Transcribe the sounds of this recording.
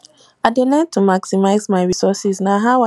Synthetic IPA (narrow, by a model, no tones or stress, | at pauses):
aɪdelɛ̃ntʰumaksimaɪzmaɪɹisɔsisnaɦaʊa